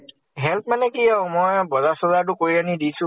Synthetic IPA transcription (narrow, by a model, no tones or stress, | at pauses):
ɦɛlpmanɛkiamɔjbɔzasɔzat̬ʊkoɹianidisʊ̃